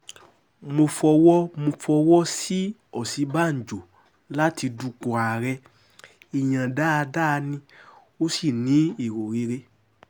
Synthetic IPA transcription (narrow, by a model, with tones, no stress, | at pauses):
mo˧fɔ˧wɔ˦mo˧fɔ˧wɔ˦si˦ɔ˦˨si˨˦ba˦n̩˨d͡ʒo˨ | la˦ti˧du˧k͡po˨a˨ɾɛ˧ | i˨j̃ã˨da˦a˧da˦˧nĩ˧ | o˦si˦˨nĩ˨˦i˦˨ɾo˨ɾi˨˧ɾe˧